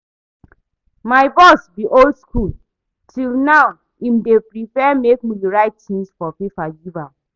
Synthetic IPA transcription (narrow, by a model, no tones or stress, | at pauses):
maɪbɔsbiʔolskʰul | tʰilnaw | ĩmdepɹifɛmekmiliɹaɪttĩnsfɔfifajuvam